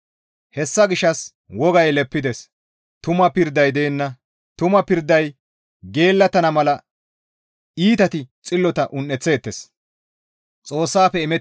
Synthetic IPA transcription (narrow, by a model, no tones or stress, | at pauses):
hɛsːɐɡɪʃːɐs | wɔɡɐjlɛpːɪd̪ɛs | t̪ʊmɐpɪɾd̪ɐjd̪eːnːɐ | t̪ʊmɐpɪɾd̪ːɐj | ɡe̞ːlːɐt̪ɐnɐmɐlɐ | iːt̪ɐt̪ɪt͡sʼɪlːɔt̪ɐʔʊnːɛt͡sːe̞ːt̪ːes | t͡sʼo̞ːsːaːpːɛɪmɛ